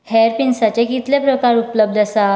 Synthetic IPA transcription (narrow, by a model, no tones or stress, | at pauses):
hɛɾpinsat͡ɕekit̪lepɾəkaɾupləb̚d̪ʱəsa